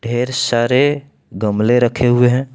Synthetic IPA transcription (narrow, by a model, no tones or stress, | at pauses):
ɖʱeɾsaɾe | ɡəmleɾəkʰeɦueɦɛ̃